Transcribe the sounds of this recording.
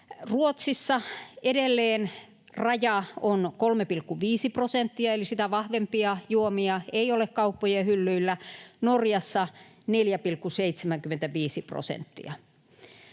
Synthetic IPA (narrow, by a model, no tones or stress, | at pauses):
ruot̪sisːɑedelːeːn | rɑjɑonkolmepilkːuʋiːsiprosent̪ːiɑelisit̪æʋɑhʋempiɑjuomiɑeiolekkɑupːojehylːyilːænorjɑsːɑ | neljæpilkːuseit̪semæŋkyment̪æʋiːsipro̰sḛnt̪ːḭɑ